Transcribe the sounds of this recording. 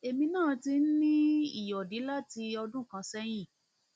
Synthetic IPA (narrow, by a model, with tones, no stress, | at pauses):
e˨mĩ˧nãː˦˨ti˧n̩˦nĩ˦i˦˨jɔ˨di˨˦la˦ti˧ɔ˧dũ˦kã˨˧˦sɛ˦j̃ĩ˦˨